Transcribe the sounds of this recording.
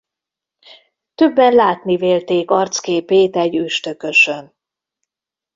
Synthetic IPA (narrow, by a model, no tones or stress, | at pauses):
t̪øbːɛnlaːt̪niveːlt̪eːkɒrt̪skeːpeːt̪ɛɟyʃt̪ø̞kø̞ʃøn